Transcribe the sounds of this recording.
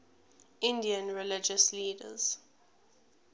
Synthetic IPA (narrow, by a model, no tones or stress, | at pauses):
ɪ̃ndiə̃nɹilɪd͡ʒəsliːdə̰z̥